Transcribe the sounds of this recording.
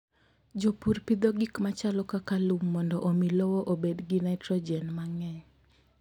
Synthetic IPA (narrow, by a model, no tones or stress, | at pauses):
d͡ʒopuɾpid̪oɡikmat͡ʃalɔkakalumːɔndɔʔomilɔwɔʔobedɡinaɪtɾɔd͡ʒɛnmaŋɛɲ